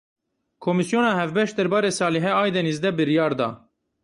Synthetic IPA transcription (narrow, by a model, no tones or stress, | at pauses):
kʰomisjoːnɑːɦɛvbɛʃt̪̚d̪ɛɾbɑːɾeːsɑːlɛɦɛɑːjd̪ɛnizd̪ɛbɨɾijɑːɾd̪ɑ̰ː